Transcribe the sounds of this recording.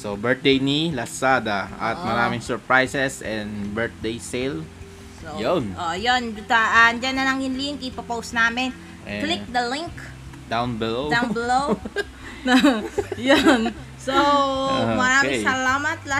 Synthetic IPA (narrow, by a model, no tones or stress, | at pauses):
sobɛɹt̪̚d̪ejnilasad̪aa̰t̪mɐɾamɪŋsɔɹpɹajsɛsɛ̃nbɛt̪̚d̪ejsel | sojonʔojond͡ʒut̪aʔand͡ʒananaŋɪnlɪŋkipopowsnamɪn | ʔɛklɪk̚d̪əlɪŋk | d̪awnbɛlodawnbɛlow | najʊn | so | maɾaɪsalamat̪̚la